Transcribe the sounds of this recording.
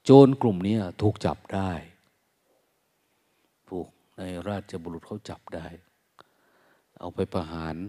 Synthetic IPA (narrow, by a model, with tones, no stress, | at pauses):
t͡ɕoː˧nklu˨˩mniː˦˥ɐt̪ʰuː˨˩k̚t͡ɕa̰˨˩p̚daː˥˩j | t̪ʰuː˨˧˩k̚na˧jɾaː˥˩t̪̚t͡ɕa˧˩bɔː˧lu˨˩t̪̚kʰa˥˩wt͡ɕa˨˩p̚daː˥˩j | ʔa̰˧˩wpʰa˧jpʰa˧ɦaː˨˦n